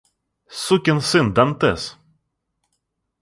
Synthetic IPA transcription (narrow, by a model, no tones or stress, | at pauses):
sukʲənsɪnd̪ant̪ɛs